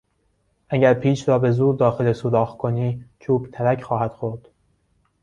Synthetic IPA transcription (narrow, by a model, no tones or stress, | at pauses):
ʔæɟæɾpʰiːʃɾɒːbe̞zuːɾd̪ɒːxelesuːd̪ɒːxkʰoniːt͡ʃʰuːbt̪ʰæɾæcxɒːɦæd̪̥xoɾd̪̥